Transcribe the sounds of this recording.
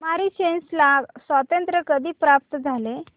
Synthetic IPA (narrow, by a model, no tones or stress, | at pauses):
maɾiːt͡ɕenslasʋat̪ənt̪ɾəkəd̪ʱiːpɾap̚t̪d͡zʱale